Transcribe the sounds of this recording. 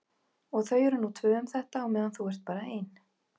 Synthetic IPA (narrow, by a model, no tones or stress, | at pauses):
ɔɣθœːɥjɛɾʏnːut̪ʰvʏːʏmθɛht̪aɔɣmɛːðanθuɛr̥t̪̚paːɾaejn